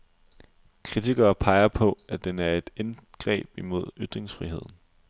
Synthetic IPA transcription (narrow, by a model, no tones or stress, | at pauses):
kʰʁit͡sʰiɡ̥ɐːpʰɑ̈ɪɐpʰɒ̽æd̥enæɐe̝d̥enɡ̥ʁɛ̰ːb̥imo̝ð̞̰ˠyd̥ʁeŋsfʁiɦe̝ð̰ˠn̩